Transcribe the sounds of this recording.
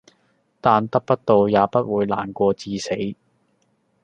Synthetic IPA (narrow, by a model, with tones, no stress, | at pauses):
t̪aː˨nt̪ɐ˥k̚pɐ˥t̚t̪o˨˧wjaː˨˧pɐ˥t̚wuː˨˧jla̰ː˨˩nkʷɔː˧t͡siː˧se˨˥j